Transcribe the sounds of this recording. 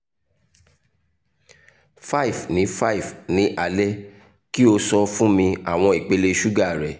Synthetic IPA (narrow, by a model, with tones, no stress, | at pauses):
fa˦i˨fnĩ˨˦fa˦i˨fnĩ˨˦ʔa˧lɛ˦ | ki˦o˧sɔ˧fũ˦mĩ˧a˨w̃ɔ̃˧i˨k͡pe˧˦le˧ʃu˦ɡa˦˨ɾɛ˨